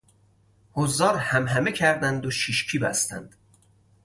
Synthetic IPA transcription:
hozːɒːɾhæmɦæmecʰæɾd̪ænd̪oʃiʃcʰiːbæ̰st̪æ̰nd̪̥

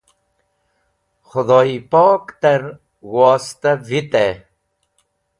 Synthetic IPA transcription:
xʊd̪oːipoːkt̪aɾ | wɔːst̪avit̪e

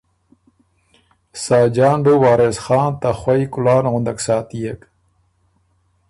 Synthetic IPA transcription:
saːd͡ʑaːɳɖowaːɾesxɑːnt̪axwɐikulaːnɣʊnd̪ɐksaːt̪ijek

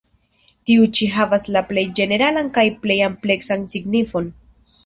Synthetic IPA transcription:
tiut͡ʃiɦavaslaple̞jd͡ʒe̞ne̞ɾalankajple̞jample̞ksansiɡnifo̞n

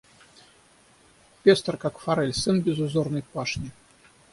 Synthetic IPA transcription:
pʲest̪rkakfaɾɛlʲsɨnbʲɪzuzornɨjpaʂnʲi

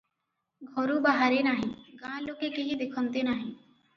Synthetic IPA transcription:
ɡʱoɾubaɦaɾenaɦĩːɡãːlõːkekɪɦĩd̪ɪkʰə̃nt̪enaːɦĩː

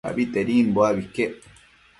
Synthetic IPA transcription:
a̰bit̪eɾiːnbwabikːe

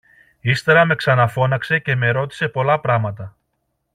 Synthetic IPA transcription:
ist̪e̞ɾɐme̞ksɐnɐfo̞nɐkse̞ce̞me̞ɾo̞t̪i̥se̞po̞lɐpɾɐmɐt̪ɐ

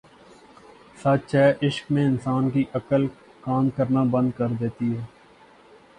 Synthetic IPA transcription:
saːt͡ʃɛːʔɪʃkmẽɪnsaːnkiʔɐkəl | kaːmkəɾnabɐ̃nd̪̚kɐɾd̪eːt̪iɦɛː

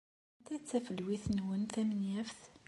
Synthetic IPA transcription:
t̪æt͡sːæfəlwiθnwənθæmənjæfθ

